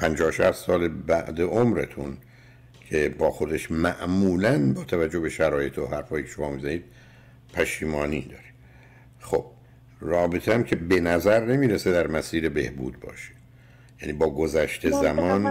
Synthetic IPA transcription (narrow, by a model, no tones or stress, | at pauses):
pʰænd͡ʒɒːhoʃæ̰st̪sɒːlebæʔd̪eʔomɾḛt̪ʰun | kʰe̞bɒːxo̞d̪eʃmæʔmuːlænbɒːt̪ʰævæd͡ʒːo̞hbe̞ʃæɾɒːje̞t̪ʰoɦæɾfɒːjiːkʰe̥ʃo̞mɒːmizæniːd̪̥̚ | pʰæʃiːmɒːniːd̪ɒːɾi | xo̞b̥̚ | rɒːbet̪ʰeæmcʰe̞benæzæɾnemiːɾesed̪æɾmæsiːɾe̞be̞̰hbṵːd̪bɒ̰ːʃe̥ | jæniːbɒːɡo̞zæʃt̪ʰezæmɒn